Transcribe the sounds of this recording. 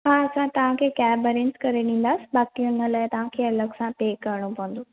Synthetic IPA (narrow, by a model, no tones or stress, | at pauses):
ɦaɐsãt̪ɐʋ̤ãkʰeːkaːbəɾɪ̃nskɐɾeɗĩːn̆d̪aːsɪ̥baːkiʊn̤əlaːɪt̪ɐʋ̤ãkʰeːɐləɡsãpeːkːɐɾɪɽ̃opɐʋə̃nd̪oː